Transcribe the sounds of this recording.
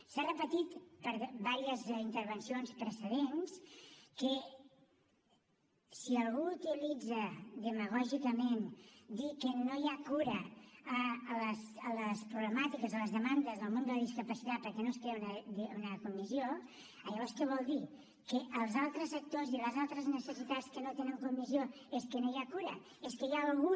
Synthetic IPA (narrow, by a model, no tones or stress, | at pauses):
sarəpət̪it̪pəɾβaɾiəzint̪əɾβ̞ənsionspɾəsəðenskə | siəlˠɣuut̪ilid͡zəðəməɣ̞ɔʒikəmend̪ikənojakuɾəəːləsələspɾuβləmat̪ikəzələzðəmand̪əzðəlˠmõnd̪ələðiskəpəsit̪at̪̚pəɾkɛnoskɾenəðunəkumizjo | əʎəβɔɾskɛβɔlˠd̪i | kəʔəlˠzalˠt̪ɾəzək̚t̪oziləzalˠt̪ɾəznəsəsit̪at͡skənot̪enəŋkumːizioeskənojakuɾə̰ | eskəjaːlˠɣu